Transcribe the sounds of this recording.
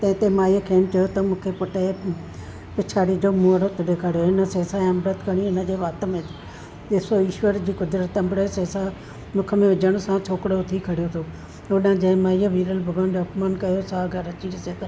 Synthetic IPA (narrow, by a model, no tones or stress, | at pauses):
t̪ɐ̃ɪ̃t̪emaːiəkʰeːnt͡ʃɐjot̪ɐmũːkʰepʊʈe | pɪt͡ʃʰaːɽid͡ʒoːmuːəɾot̪əɖekʰaɽjoɪnəseːsaɐmɾət̪kɐɽ̃iɪnəd͡ʒeːʋaːt̪mẽ | eːsoiːʃʋəɾd͡ʑiːkʊd̪ɾət̪ɐmbɽeseːsa | mʊkʰəmẽʋɪd͡ʒəɽ̃sãt͡ʃʰoːkɽoʊt̪ʰikʰɐɽjot̪ʰoː | ʊnãd͡ʒẽmaːijəʋiːɾəlbʱʊɡaːndoʊpmaːnkɐjosaːɡʱɐɾɐt͡ʃiɾɪset̪